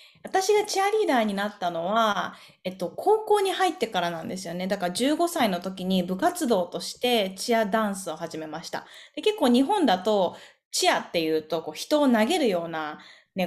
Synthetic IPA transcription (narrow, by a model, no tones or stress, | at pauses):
βat̪aɕiɡat͡ɕiaɾʲiːd̪aːɲ̟inat̪ːano̞βa | e̞t̪ːo̞kʰo̞ːko̞ːɲ̟ihait̪ːe̞kaɾanãnd̪e̞sɨjo̞ne̞d̪akaɾaʑɨːɡo̞saino̞t̪o̞kʲiɲ̟ibɯ̟kat͡sɨd̪o̞ːt̪o̞ɕi̥t̪e̞t͡ɕiad̪ãɰ̃sɨo̞haʑime̞maɕi̥t̪a̰d̪̥e̞ke̞kːo̞ːɲ̟iɦõ̞nd̪at̪o̞ | t͡ɕiat̪ːe̞jɯ̟ːt̪o̞ko̞ːçi̥t̪o̞ːnaɡe̞ɾɯ̟jo̞ːna | ne̞